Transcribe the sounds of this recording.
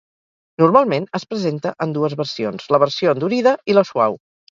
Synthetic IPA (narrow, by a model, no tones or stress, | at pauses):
nurmalˠmenəspɾəzent̪əʔənd̪uəzβərsionzləβ̞əɾsioənd̪uɾiðəiləsua̰w